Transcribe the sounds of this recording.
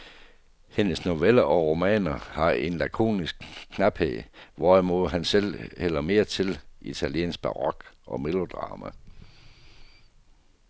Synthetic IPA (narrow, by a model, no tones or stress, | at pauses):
he̝nəsno̝ʋelɐʔɒ̽ʁo̝mɛ̰ːnɐhɑ̈e̝nlækʰo̝̰ːnisɡ̥̚kʰːnɑb̥hḛːʋɒmo̝ðˠɦænsel̰hel̰ɐme̝ːɐt͡sʰe̝lit͡sʰæljḛːns̚b̥ɑ̈ʁɒɡ̥ʔɒ̽melo̝d̥ʁɑ̰̈ːmæ